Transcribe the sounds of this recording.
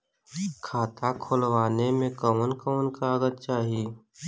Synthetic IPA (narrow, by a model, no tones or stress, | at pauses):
kʰaːt̪akʰʊlʋaːnemẽkəmənkəmənkaəɡət̪̚t͡ʃaːɦieː